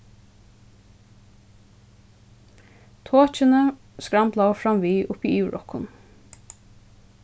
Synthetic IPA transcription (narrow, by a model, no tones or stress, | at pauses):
t̪ʰoːt͡ʃənə | skɹamplafɹamʋiːʔʊpiːʔiːɹʔɔ̰kʊn